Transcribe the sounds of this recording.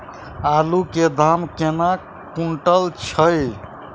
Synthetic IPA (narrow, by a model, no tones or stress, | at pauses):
aluked̪ʱamkena | kuɳʈəlt͡ʃʰəj